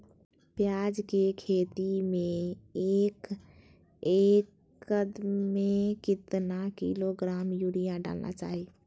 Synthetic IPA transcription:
pjaːd͡ʒkekʰeːt̪imẽeːk | eːkː | əd̪mẽkɪt̪nakḭloɡɾaːmjuɾijãɖa̰ːlnʔa̰t͡ʃa̰ːɦi

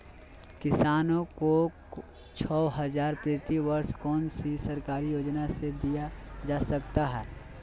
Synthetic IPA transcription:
kɪsaːnõko | t͡ʃʰɔːɦəzaːɾpɾeːt̪iʋəɾskɔːnsisɐɾkaːɾijoːd͡ʒnased̪ijad͡ʒaːsɐkt̪aɦɛː

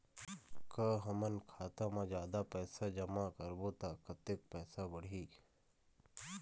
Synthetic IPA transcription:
kəɦəmənkʰaːt̪ãmãd͡ʒjaːd̪apɛːsad͡ʒəmaːkəɾboːt̪aːkət̪ek̚pɛːsabəɽ̤iː

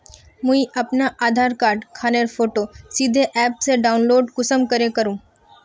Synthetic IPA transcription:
mʊ̃ĩʔɐpnaʔaːd̪ʱaːɾkaːɾɖkʰaːneɾfoːʈosid̪ʱeʔɛːpseɖaːʊnloːɖkʊsəmkɐɾekɐɾũː

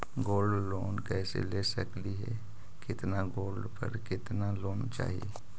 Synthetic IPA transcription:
ɡoːlɖloːnkɛːsḛlesəkliɦɛ̰ | kɪt̪naɡoːlɖpə̰ɾkɪt̪naloːnt͡ʃa̰ːɦḭ

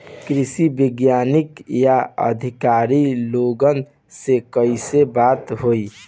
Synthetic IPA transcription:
kɾisibiɡjanikjaə̰d̪ʱikaɾiloɡən | sekəɪsebat̪ɦoj

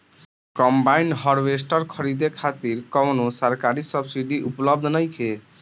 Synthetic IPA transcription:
kɔmbainɖɦʌɾbes̬ʈʌɾkʰʌɾid̪ekʰat̪iɾkɔwnosaɾkaɾisʌbsiɖiʔuplʌb̚d̪ʱnʌjkʰe

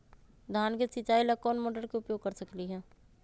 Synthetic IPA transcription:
d̪ʱjaːnkesɪt͡ʃaːilɐkːɔːnmoːʈəɾkeʊpjoːɡ̚kɐɾsɐkliɦɛ̃ː

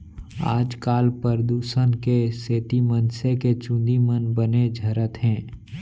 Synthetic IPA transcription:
a̰ːd͡ʒkaːlpəɾd̪uːsənkeseːt̪imənseket͡ʃʊ̃nd̪imənbəned͡ʒʱəɾət̪ɦɛ̃ː

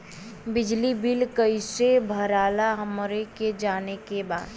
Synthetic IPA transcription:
bɪd͡ʒlibɪlkəisebʱəɾaːlaɦəmɾeked͡ʒaːnekebaːd̪

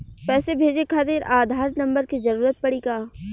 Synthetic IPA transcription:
pɛːsebʱeːd͡ʒekʰaːt̪eɾʔaːd̪ʱaːɾnɐ̃mbəɾkizɐɾuːɾət̪̚pɐɽikaː

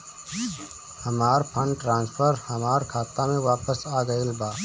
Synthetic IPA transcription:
hɐmaːɾpʰə̃ɳɖʈɾãːnspʰəɾhɐmaːɾkʰaːt̪amẽʋaːpəsaːɡəɪlbaː

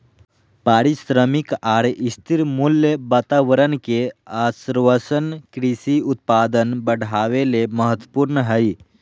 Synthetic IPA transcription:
paːɾisɾəmikaːɾist̪ʰiɾmulːjəbaːt̪aʋəɾənkeaːsiɾʋəsənkɾisiʊt̪̚paːd̪ənbəɽ̤ʱaʋeleməɦət̪wəpuːɾnəɦəj

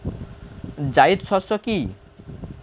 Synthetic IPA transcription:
d͡ʑajd̪sɔsɔki

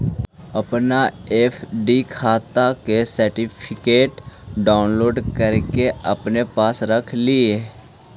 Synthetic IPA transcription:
əpnaefʰɖikʰaːt̪akesəɾʈɪpʰɪkeːʈɖaːʊnloːɖkəɾkeəpnepaːsɾəkʰlieː

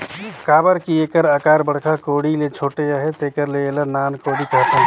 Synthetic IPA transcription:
kaːbəɾkieːkəɾəkaːɾbəɽ̤kʰakoːɽilet͡ʃʰoːʈeəɦet̪eːkəɾleelənaːnkoɽikəɦt̪ã

